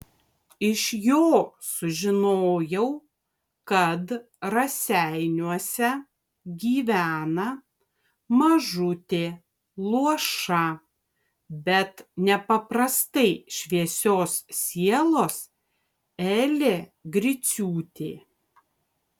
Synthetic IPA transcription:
ɪʃjoːsʊʒʲɪnoːjɛʊ | kɐt̪ | ɾɐsʲæɪnʲuɔsʲɛ | ɡʲiːʋʲæːnɐ | mɐʒʊt̪ʲeː | lˠuɔʃɐ | bʲɛt̪nʲɛpɐpɾɐst̪ɐɪʃʲʋʲiɛsʲoːssʲiɛlˠoːs | ɛːlʲeːɡɾʲɪsʲuːt̪ʲḛː

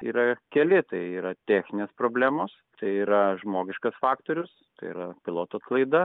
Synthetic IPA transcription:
ḭːɾɐkʲɛlʲɪt̪ɐɪiːɾɐt̪ʲæːxʲnʲɪnʲeːspɾoːbʲlʲæːmoːs | t̪ɐɪiːɾɐʒmoːɡʲɪʃkɐsfɑːkt̪oːɾʲʊs | t̪ɐɪḭɾɐpʲɪlˠoːt̪oːɐt̪klˠɐɪd̪ɐ

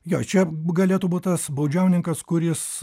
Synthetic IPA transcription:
jo̰ːt͡ʃʲɛɡɐlʲeːt̪uːbuːt̪ʲt̪ɐsbɐʊd͡ʒʲɛʊnʲɪŋkɐskʊɾʲɪs

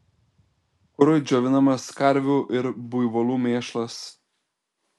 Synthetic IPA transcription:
kʊɾʊɪd͡ʒʲoːʋʲɪnɐmɐskɐɾʲʋʲuːʔɪɾbʊjʋoːlˠuːmʲeːʃlˠɐs

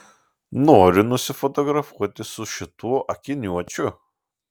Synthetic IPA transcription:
noːɾʲɪnʊsʲɪfot̪oɡɾɐfuɔt̪ʲɪsʊʃʲɪt̪uɔʔɐkʲɪnʲuɔt͡ʃʲʊ

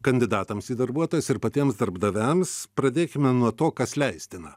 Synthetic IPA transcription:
kɐnʲd̪ʲɪd̪ɑːt̪ɐmsiːd̪ɐɾbuɔt̪oːjɛsɪɾpɐt̪ʲiɛmsd̪ɐɾbd̪ɐʋʲæmspɾɐd̪ʲeːkʲɪmʲɛnuɔt̪oːkɐslʲɛɪsʲt̪ʲɪnɐ

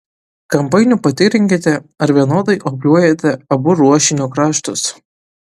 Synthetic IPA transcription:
kɐmpɐɪnʲupɐt̪ʲɪɾʲɪŋʲkʲet̪ʲɛɐɾʋʲiɛnoːd̪ɐɪʔoːpʲlʲuɔjet̪ʲɛɐbʊɾuɔʃʲɪnʲukɾɑːʃt̪ʊs

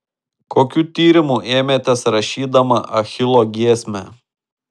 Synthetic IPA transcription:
koːkʲuːt̪ʲiːɾʲɪmueːmʲeːt̪ʲɛsɾɐʃʲiːd̪ɐmɐʔɐxʲɪlˠoːɡʲiɛsʲmʲɛ

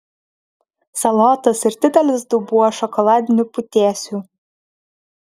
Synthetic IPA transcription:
sɐlˠɑːt̪ɐsɪɾd̪ʲɪd̪ʲɛlʲɪsd̪ubuɔʃɔkɔlˠɑːd̪ʲɪnʲupʊt̪ʲæːsʲu

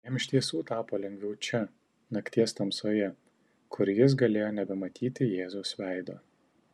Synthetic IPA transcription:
jɛmʲɪʃʲt̪ʲiɛsuːt̪ɑːpoːlʲɛŋʲɡʋʲɛʊt͡ʃʲɛ | nɐkt̪ʲiɛst̪ɐmsoːjɛ | kʰʊɾjɪs̬ɡɐlʲeːjoːnʲɛbʲɛmɐt̪ʲiːt̪ʲɪjeːzʊsʋʲæɪd̪o̰ː

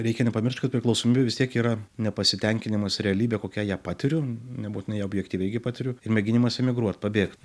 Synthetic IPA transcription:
ɾʲɛɪkʲɛnʲɛpɐmʲɪrʲʃt̪ʲkɐt̪̚pʲɾʲɪklˠɐʊsoːmʲiːbʲeʋʲɪst̪ʲiɛkiːɾɐnʲɛpɐsʲɪt̪ʲɛŋʲkʲɪnʲɪmɐsɾʲɛɐlʲiːbʲekoːkʲɛjæːpɑːt̪ʲɪɾʲʊnʲɛbuːtʲɪnɐɪjobʲjɛkt̪ʲiːʋʲɛɪɡʲɪpɑːt̪ʲɪɾʲʊɪrmʲɛɡʲɪnʲɪmɐsɛmʲɪɡɾuɔt̪pɐbʲeːkt̪

